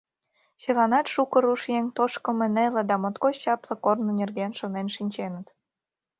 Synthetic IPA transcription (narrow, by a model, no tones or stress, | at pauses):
t͡ɕelɑnɑt̪ʃukə̆ɾuʃjeŋt̪oʃkə̆mĕnelĕd̪ɑmot̪kot͡ɕt͡ɕɑplɤ̆kornŏnʲerɣenʃonenʃinʲt͡ɕenə̆t̪